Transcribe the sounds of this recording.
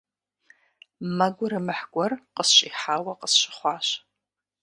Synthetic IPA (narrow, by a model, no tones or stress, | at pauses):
mɐɡʷʊɾɨmɨħɡʷʼɔrqəsɕʼiħaːwɐqəsɕɪ̥χʷɑːɕ